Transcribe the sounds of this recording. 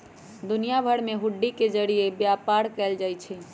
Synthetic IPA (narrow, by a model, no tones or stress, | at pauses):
d̪unijabʱəɽmeɦuɖːiked͡ʒəɾijebjapaɾkɛld͡ʒajt͡ʃʰɛ